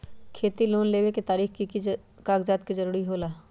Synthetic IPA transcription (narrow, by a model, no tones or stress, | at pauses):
kʰeːt̪iloːnleːʋeket̪aːɾiːxki | kaːɡd͡ʒaːt̪kizɐɾuːɾiɦoːlaː